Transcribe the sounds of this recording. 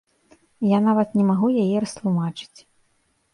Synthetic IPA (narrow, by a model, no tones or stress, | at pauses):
janavɐt̪nʲɛmaɣujajɛɾɐst̪lˠumat͡ʂɨ̥t͡sʲ